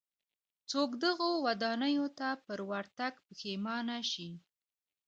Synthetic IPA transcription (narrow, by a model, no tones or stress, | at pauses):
t͡sokd̪əɣowad̪ɑnəjot̪apəɾwaɾt̪aɡpəxemɑnaʃi